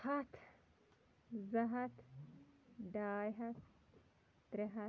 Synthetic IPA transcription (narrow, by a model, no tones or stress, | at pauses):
hɐt̪ʰ | zɐɦɐt̪ | ɖaːjɦɐt̪ | d̪̥ɾeɦɐ